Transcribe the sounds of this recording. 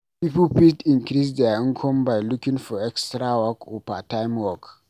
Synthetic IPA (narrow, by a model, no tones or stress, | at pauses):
pipulpistĩŋkɾis̬daĩŋkʰɔ̃mbajlukĩŋfɔɛkstɾawɔkopatajmwɔk